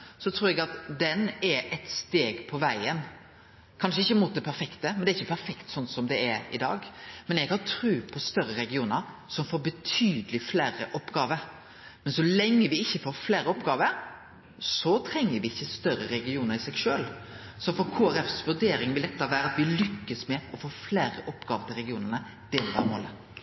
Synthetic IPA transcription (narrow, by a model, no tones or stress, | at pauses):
sɔt̪ʰɾuːɾɛɡɑt̪d̪ɛnɛɾɛt̪st̪eːɡpʰɔʋæɪən | kʰɑnʂəɪçːəmʊːt̪̚d̪ɛpʰæɾfɛkt̪əmɛnd̪ɛɾɪçːəpʰæɾfɛkt̪sɔnsɔmd̪ɛɛɾɪ̰d̪ɑ̰ːɡmɛnjɛɡhɑnt̪ʰɾʉːpʰɔst̪œɾəɾɛɡɪuːnəɾsɔmfoːɾbət̪ʰyːd̪əlɪfleːɾəʔɔpːɡɑːʋəɾ | mɛnsɔlɛŋːəʋɪɪçːəfoːɾfleːɾəɔpɡɑːʋəɾ | sɔt̪ʰɾɛŋːəɾʋɪɪçːəst̪œɾəɾɛɡɪuːnəɾɪsɛɡʂøːl | sɔfɔɾkʰoːæɾɛfsʋʉɖeːɾɪŋʋɪld̪ɛt̪ːəʋæːɾəɑt̪ʋɪlʏkːəsmɛɔfoːfleːɾə̰ʔɔpːɡɑːʋət̪ʰɪlɾɛɡɪuːnənə | d̪̥ɛd̪æɾmo̰ːlə